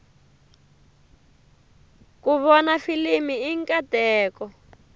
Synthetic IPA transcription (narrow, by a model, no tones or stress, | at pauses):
kuβɔnafilimiːŋkʼatɛːkɔ